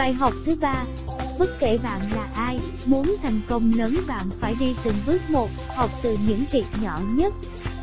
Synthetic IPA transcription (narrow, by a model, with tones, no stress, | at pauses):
aː˧jɦa˨˩wk͡p̚t̪ʰɨ˨˦ɓaː˧ | ɓə˦˥t̚kḛ˧˨ɓa̰ː˧˨nlaː˨˩ʔaː˧j | mu˨˦ənt̪ʰa˨˩jŋ̟kə˧wŋ͡mlə˨˦nɓa̰ː˧˨nfaː˧˩jɗi˧t̪ɨ˨˩ŋvɨ˦˥ət̚mo˨˩t̚ha˨˩wk͡p̚t̪ɨ˨˩ɲɨ̰˧˥ŋti˨˩t̚ɲɔ˧˩ɲə˦˥t̚